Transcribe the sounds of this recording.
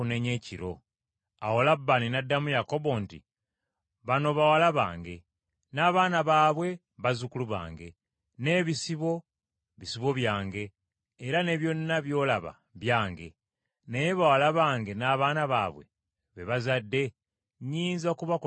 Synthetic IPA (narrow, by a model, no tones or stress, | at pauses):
une̞ɲe̞ːciɾo̞ | awolabːaninadːamujako̞βontḭ | βano̞βawalaβa̰ːŋɡe̞ | naːβaːnaβaːβwe̞ | βazukuluβa̰ːŋɡe̞ | ne̞ːβisiβo̞ | βisiβo̞βjaːŋɡe̞ː | ɾane̞βjo̞nːaβjo̞ːlaβa̰ | βjaːŋɡe̞̰ | neje̞βawalaβaːŋɡe̞naːβaːnaβa̰ːβwe̞̰ | βe̞βazadːe̞ | ɲiːnzokuβak